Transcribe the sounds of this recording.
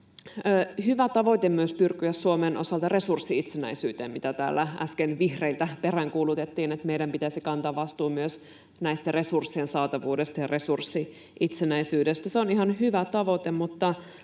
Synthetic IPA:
əhyʋæt̪ɑʋot̪emyøspyrkyæssuomenʔosɑlt̪ɑre̞sursːiit̪senæ̰isyːt̪ḛːmmit̪æt̪æ̰ːlːææ̰skenʋihreilt̪æperæŋkuːlut̪et̪ːiːnet̪meidæmpit̪æsikɑnt̪ɑːʋʋɑst̪uːmyøs | næist̪æresursːiensɑːt̪ɑʋuːdest̪ɑjɑresursːi | ʔit̪senæisyːdest̪æseonihɑnɦyʋæt̪ɑʋo̞t̪emut̪ːɑ

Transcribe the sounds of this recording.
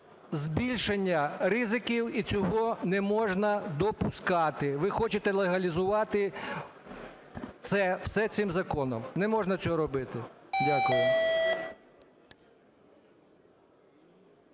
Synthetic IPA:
zbʲilʲʃenʲːɐrɪzɪkʲiwit͡sʲɔɦɔnɛmɔʒnɐd̪ɔpʊskɑt̪ɪʋɪxɔt͡ʃet̪ɛlˠeɦɐlʲizʊʋɑt̪ɪ | t̪sɛw̥sɛt̪sɪmzɐkɔnɔ̰mnɛmɔʒnɐt͡sʲɔɾɔbɪt̪ɪdʲakʊjʊ

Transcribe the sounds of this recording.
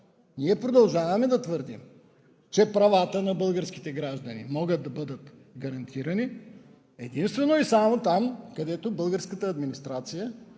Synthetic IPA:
niɛpɾod̪ɐlˠʒavɐmɛd̪ɐt̪vəɾd̪ḭm | t͡ʃɛpɾɐvat̪ənɐbɤlˠɡəɾsk̟i̥t̪ɛɡɾaʒd̪ɐnḭmɔɡəd̪̚d̪ɐbɤd̪ət̪ | ɡɐɾɐnt̪ʰiɾɐni | ɛd̪inst̪vɛnoisamot̪amkɐd̪ɛt̪obɤlˠɡəɾskət̪əːd̪minist̪ɾat̪sijə

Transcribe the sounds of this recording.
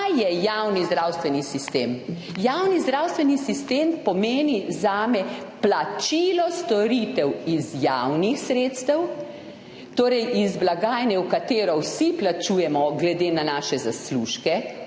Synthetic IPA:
ajɛjawnizd̪ɾawst̪ʋɛnisist̪em | jawnizd̪ɾawst̪ʋɛnisist̪eːmpɔmeːnizaːmɛplat͡ʃiːlɔst̪ɔɾit̪ɛwizjawnixsɾeːt̪st̪ɛw | t̪oːɾɛjʔizblaɡaːjnɛwkat̪eːɾɔwsiplat͡ʃuːjɛmɔɡlɛd̪eːnanaːʃɛzasluːʃkɛ

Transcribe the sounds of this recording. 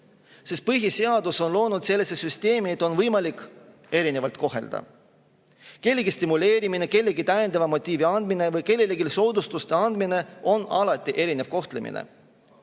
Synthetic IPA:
sest̪̚pɯɦiseɑd̪̥uso̞nlo̞ːnud̪̥se̞lːesesyst̪e̞ːmiet̪ːˑo̞nvɤjmɑlikːˑ | e̞ɾine̞vɑlt̪ko̞ɦe̞̰ld̪̥ɑ̰ | ke̞lːeɡist̪imule̞ːɾimine̞ke̞lːeɡit̪æjend̪ɑvɑmo̞t̪ʲːˑiːviɑnd̪mine̞vɯjke̞lːeleɡilso̞ːd̪ust̪ust̪e̞ɑnd̪̥mine̞o̞nɑlɑt̪ʲːˑiʔe̞ɾine̞vko̞ht̪le̞mḭnḛ

